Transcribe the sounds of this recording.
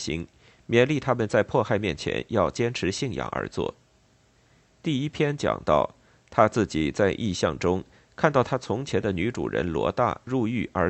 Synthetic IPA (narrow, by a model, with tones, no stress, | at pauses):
ɕḭ˧˥ŋ | mjɛ˧˥nli˥˩t̪ʰa˥mə˨nt͡sa˥˧ɪpʰwɔ˥˧xa˥˧ɪmjɛ˥˩nt͡ɕʰjɛ̰˧˥njɑ˥˩ʊt͡ɕjɛ˥nʈ͡ʂʰɻ̩˧˥ɕi˥˩ŋjɑ̰˨˩ŋʔə̰˞˧˥t͡swɔ̰˥˩ | t̪i˥˩i˥pʰjɛ˥nt͡ɕjɑ̰˨˩ŋt̪ɑ̰˥˩ʊ | t̪ʰa˥t͡sɹ̩˥˩t͡ɕi˨˩t͡sa˥˧ɪʔi˥˧ɕjɑ˥˧˩ŋʈ͡ʂʊ˥ŋ | kʰa˥˧nt̪ɑ˥˩ʊt̪ʰa˥t͡sʰʊ˧˥ŋt͡ɕʰjɛ˧˥nd̪ə˧ny˧˥ʈ͡ʂṵ˨˩ɻə̰˧˥nlwɔ̰˧˥t̪a̰˥˧ɻu˥˧y˥˩ʔə˞˧˥